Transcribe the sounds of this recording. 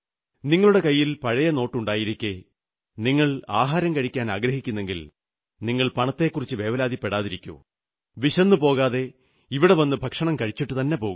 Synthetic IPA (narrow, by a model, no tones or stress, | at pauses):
niŋːɐɭuɽe̞kɐjːilpɐɻɐjɐno̞ːʈːuɳɖaːjiɾikʲːe | niŋːɐɭaːɦaːɾɐmkɐɻikʲːaːnaːɡɾɐɦikʲːunːe̞ŋɡil | niŋːɐɭpɐɳɐt̪ːe̞ːkːurit͡ɕːɨʋe̞ːʋɐlaːd̪ipːe̞ɽaːðiɾikʲːṵː | ʋiɕɐnːɨpo̞ːɣaːðe̞ | iʋiɽe̞ʋɐnːɨbʱɐkʂɐɳɐmkɐɻit͡ɕːiʈːɨt̪ɐnːe̞po̞ːɣum